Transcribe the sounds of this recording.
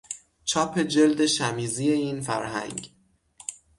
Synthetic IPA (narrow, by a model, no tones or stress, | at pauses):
t͡ʃʰɒːpʰe̞d͡ʒe̞ld̪e̞ʃæmiːziːje̞iːnfæ̰ɾɦæ̰ŋɡ